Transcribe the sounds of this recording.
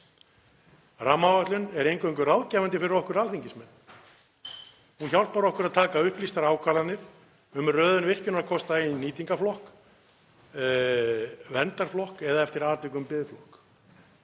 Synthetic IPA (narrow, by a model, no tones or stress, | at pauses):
ramːawvat̪lʏnɛɾejŋkœjŋk̬ʏrawðcɛːvant̪ɪfɪɾɪɾɔhkʏɾalθiɲcɪsmɛnː | hunçawlt̪̚paːɾɔhkʏɾaðt̪ʰaːkaʏhplist̪aɾaːwkʰaːlanɪɾ̥ | ʏmrœːðʏnvɪr̥cʏnaðkʰɔst̪aejnnːiːt̪iŋkaflɔhk | vɛnt̪aɾ̥flɔhkɛðaɛft̪ɪɾaːt̪ɪk̬ʏmpɪðflɔhk